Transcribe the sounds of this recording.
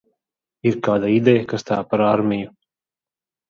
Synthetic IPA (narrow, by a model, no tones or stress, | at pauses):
iɾkaːd̪aid̪ɛjakast̪aːpaɾaːɾmʲiju